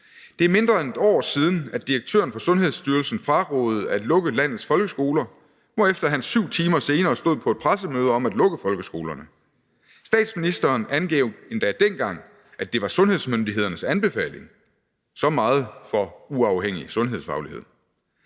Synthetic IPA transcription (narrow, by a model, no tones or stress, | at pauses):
d̥e̝æɐme̝nd̥ʁɐene̝d̥ɒ̰ːsiːð̞ˠn̩æd̥iɐɡ̥̚t͡sʰø̰ːɐnfɒ̽sɔ̽nɦe̝ð̞ˠsd̥yːɐlsn̩fɑ̈ʁɔ̰ːð̩ˠæed̥lɔ̽ɡ̥əlæn̰ð̩ˠsfɒ̽lɡ̥əsɡ̥o̝ːlɐ | mɒ̽efd̥ɐɦænsyʊ̰t͡sʰiːmɐse̝ːnɐːsd̥o̝ð̰ˠpʰɒ̽e̝d̥̚pʰʁasəmøːð̞ˠəɒ̽mæd̥lɔ̽ɡ̥əfɒ̽lɡ̥əsɡ̥o̝ːlɐnə | sd̥ɛ̰ːd̥sminisd̥ɐːnʔænɡ̥eʊ̥e̝nd̥æd̥enɡ̥ɑ̈ŋ̰ | æd̥e̝ʋɑ̈sɔ̽nhe̝ð̞̰ˠsmønd̥iɦe̝ð̞̰ˠɐnəsænb̥e̝fɛ̰ːle̝ŋ | sɒ̽mɑ̈ːð̞̩ˠfɒ̽uɑ̈ʊheŋ̰isɔ̽nɦe̝ð̞ˠsfɑ̈ʊlie̝ð̞̰ˠ